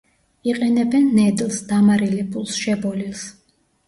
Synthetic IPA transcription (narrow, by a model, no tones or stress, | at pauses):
iqʼɛnɛbɛnːɛd̪lˠsd̪amaɾilipʰʼulˠsʃɛbɔlilˠs